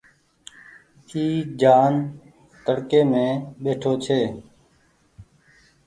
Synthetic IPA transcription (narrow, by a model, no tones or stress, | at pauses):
kiːd͡ʒaːn | t̪əɽkeːmẽːɓeːʈʰoːt͡ʃʰeː